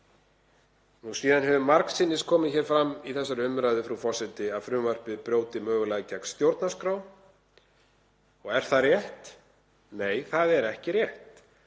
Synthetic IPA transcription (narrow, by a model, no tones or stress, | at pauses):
nusiːðanɦɛvʏmːaɾksɪnːɪskʰɔːmɪðçɛːɾfɾamːiθɛsːaɾʏmɾaːjðʏfɾafɔ̥sɛt̪ɪaðfɾʏmvar̥pɪðpɾjoːwt̪ɪmœːɣʏlaɣcakst̪jowɾt̪naskɾaw | ɔɣɛɾ̥θarjɛht̪ | neːjθaðɛɾɛhcɪrjɛht̪